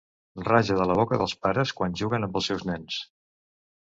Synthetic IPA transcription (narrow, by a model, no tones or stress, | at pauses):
raʒəðələβɔkəðəlˠspaɾəskwanʲʒuɣənəmbəlˠsɛwznɛns